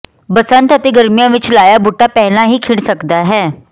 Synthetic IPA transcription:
bɐsə̃nt̪ət̪eɡəɾmijãʋɪt͡ʃlaːjabuʈapɛɦlãɦikʰɪɽsɐkd̪aɦɛː

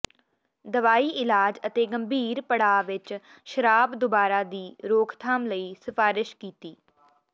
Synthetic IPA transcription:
d̪əʋaːiːʔɪlaːd͡ʒət̪eːɡəmbʱiːɾpəɽaːʋɪt͡ʃ | ʃəɾaːbd̪ʊbaːɾaːd̪iːɾoːkʰt̪ʰaːmləiːsɪfaːɾɪʃkiːt̪iː

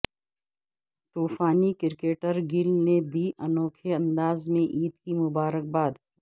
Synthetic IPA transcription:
t̪uːfaːnikɪɾkeːʈəɾɡɪlned̪iːʔɐnɔːkʰeɐ̃nd̪aːzmẽʔiːt̪kimʊbaːɾək̚baːd̪

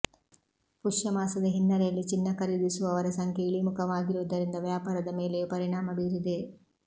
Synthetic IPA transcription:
puʂjɐmaːsɐd̪ɐɦinːɐɾɛjɐlːit͡ʃinːɐkɐɾid̪isuʋɐʋɐɾɐsɐŋkʰjeiɭimukʰɐʋaːɡiɾuʋːd̪ɐɾind̪ɐʋjaːpaːɾɐd̪ɐme̞ːle̞pɐɾiɳaːmɐbiːɾud̪e

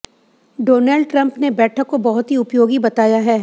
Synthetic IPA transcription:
ɖoːnəlɖʈɾɐ̃mpnebɛːʈʰəkːobɐɦʊt̪ɦiʊpjoːɡibɐt̪aːjaɦɛː

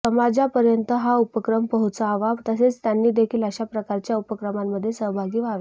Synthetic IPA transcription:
səmad͡zapəɾjənt̪əɦaupəkɾəmpəɦut͡saːʋaʋt̪əset͡st̪janːiːd̪ekʰiːləɕapɾəkaɾt͡ɕjaupəkɾəmamːəd̪ʱːjesəɦbʱaɡiːʋaʋe

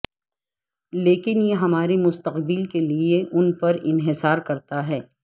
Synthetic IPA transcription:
leːkɪnjeɦɐmaːɾemʊst̪əqbɪlkelieʔʊnpɐɾɪnɦɪsaːɾkɐɾt̪aɦɛː

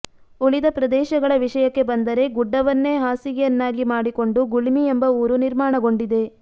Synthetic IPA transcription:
uɭid̪ɐpɾɐd̪ɛːʃɐɡɐɭɐʋiʂɐjɐkːe̞bɐnd̪ɐɾe̞ɡuɖːɐʋɐnːe̞ːɦaːsiɡejɐnːaːɡimaːɽiko̞ɳɖuɡuɭimiembɐuːɾuniɾmaːɳɐɡo̞ɳɖid̪e̞

